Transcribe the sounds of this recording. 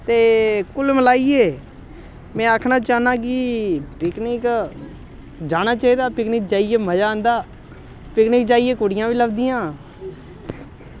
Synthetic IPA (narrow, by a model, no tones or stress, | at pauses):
t̪eːkʊlməlaːiːeː | mɛ̃ːakʰnaːt͡ʃaːnãːk̬ɪpɪknɪk | d͡ʒaːnaːt͡ʃaːiːd̪aːpɪknɪk̚d͡ʒaːieːməd͡ʒaːənd̪aː | pɪknɪk̚d͡ʒaːieːkoɽɪjãːʋiːləbd̪ijãː